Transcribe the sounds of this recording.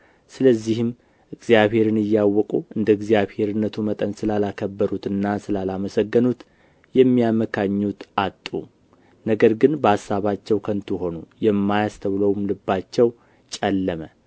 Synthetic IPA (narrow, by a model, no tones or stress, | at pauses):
sɨləzːihɨm | ʔɨɡzijaβhe̞ɾɨnɨjːawːɔkʼuʔɨnd̪əɨɡzijaβhe̞ɾɨnːət̪ʰumət̪ʼənsɨlalakʰəbːəɾut̪ɨnːasɨlalaməsəɡːənut̪ | jɛmːijaməkʰaɲːut̪at̪ʼːṵ | nəɡəɾɡɨnbəasːaβat͡ʃːɛwkʰənt̪ʰuɦo̞nujɛmːajast̪ʰəwləwumlɨbːat͡ʃːɛw | t͡ʃʼɛlːəmə